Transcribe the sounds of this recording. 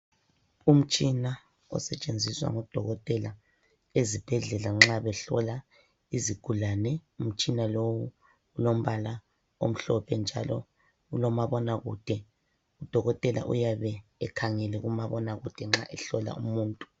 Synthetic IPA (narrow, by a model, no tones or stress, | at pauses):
um̩t͡ʃʼina | ɔ̰sɛt͡ʃʼend͡zʱiswa̰ŋɔd̥ʱɔɣɔtʼɛla | ezib̥ʱɛɮɛlaŋ͡ǁaβɛɬɔ̰la | iziɡ̥ʱulanɛum̩t͡ʃʼinalowu | ulom̩βala | o̰m̩ɬɔpʰɛnd͡ʒʱa̰lɔ̰ | ulɔmaβɔnaɣuːd̥ʱɛ | ud̥ʱɔɣɔtʼɛlʔa̰ʔṵjaβɛːkʰaŋɛlɛɣumaβɔnaɣud̥ʱɛŋ͡ǁa̰ʔɛɬɔla̰umuːntʼu̥